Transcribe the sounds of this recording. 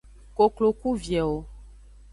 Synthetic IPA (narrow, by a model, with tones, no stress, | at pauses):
ko˨klo˨ku˦vjɛ˨wo˦